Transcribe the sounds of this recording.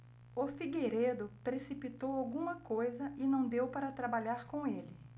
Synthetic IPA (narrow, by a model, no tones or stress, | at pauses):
ʊfiɡeɾed̪ʊpɾesipit̪owawɡũmɐkojzɐʔɪnɐ̃w̃d̪ewpaɾɐt̪ɾabaʎaɾkõelɪ